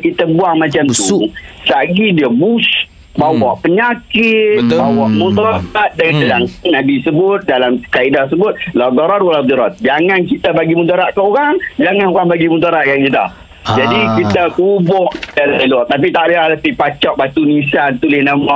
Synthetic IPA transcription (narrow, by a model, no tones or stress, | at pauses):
kit̪abuaŋmat͡ʃamt̪usaɡidiəbus | bawaʔpəɲakɪt̪̚bawaʔmũt̪ɔat̪̚dəŋanlaŋnabisəbʊt̪̚dalamkaidas̬əbʊt̪̚lɔɡ̪ɔɾɔnwalad̪ɔɾɔt̪̚d͡ʒaŋankit̪abaɡimunt̪aɾaʔkəoɾaŋd͡ʒaŋanoɣaŋbaɡimunt̪̬aɾaʔ̪̚kakit̪a̰ | d͡ʒadikit̪akubɔʔalalɔt̪ap̬it̪aʔdalat̪ipat͡ʃɔʔ̚bat̪unisant̪ulɪhnama